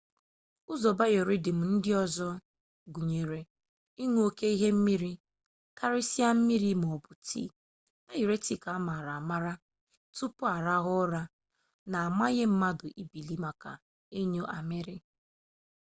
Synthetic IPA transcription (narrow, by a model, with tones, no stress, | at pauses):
ʊ˦zɔ˨ba˦je˨ɾi˦dɪ˨m̩˨n̩˦dɪ˦ɔ˦zɔ˦ | ɡu˨ɲe˨ɾe˨ | i˦ŋu˦o˦ke˦i˦ɦe˦m̩˦mi˦ɾi˦ | ka˦ɾɪ˦si˦a˦m̩˦mi˦ɾi˦m˨ɔ˨bʊ˨tḭ˦˨ | e˦ji˨ɾe˦ti˦˨ka˨a˦ma˨ɾa˨ma˦ɾa˦ | tu˦pʊ˦a˨ɾa˦ɣʊ˦ɾa˦ | na˨a˨ma˦ɲe˦m̩˦ma˦dʊ˨ʔi˦bi˨li˦ma˨ka̰˨ | e˦ɲo˦ʔa˨mɪ˦ɾɪ˦